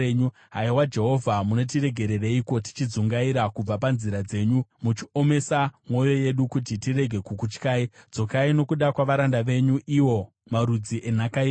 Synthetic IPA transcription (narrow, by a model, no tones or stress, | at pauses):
u | ɦaiwad͡ʒe̞ɦo̞vʱamuno̞t̬ire̞ɡʱe̞ɾe̞reiko̞ti̥t͡ʃid͡zuŋɡaiɾakub͡vapanziɾad͡ze̞ːɲumut͡ʃio̞me̞samwo̞jo̞je̞ɗukut̬itiɾe̞ɡʱe̞kukut͡ʃkaːid͡zo̞kaino̞kuɗakwaʋaɾandaʋe̞ɲuʔiwo̞ | maɾud͡ziʔenakai